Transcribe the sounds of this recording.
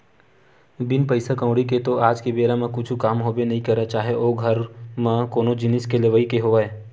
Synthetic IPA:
bɪnpəɪsakə̃ʊ̃ɽiket̪oʔaːd͡ʒkebeːɾamẽkʊt͡ʃʰukaːmɦoːbenɐɦĩkɐɾet͡ʃaːɦeʔoːɡʱɐɾmẽkoːnod͡ʒɪnɪskeleʋəikeɦoːʋeː

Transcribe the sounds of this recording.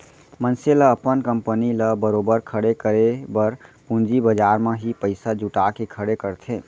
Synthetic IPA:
mənseləəpənkəmpəniləbəɾobəɾkʰəɽekəɾebəɾpund͡ʒibəd͡ʒaɾmeɦipəɪsad͡ʒuʈakekʰəɽekəɾt̪ʰẽ

